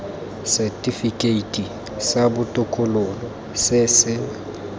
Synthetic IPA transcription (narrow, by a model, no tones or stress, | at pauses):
sɛtʼifikʼeitʼi | sabʊtʼʊkʼʊlʊlɔ | sɪsɪ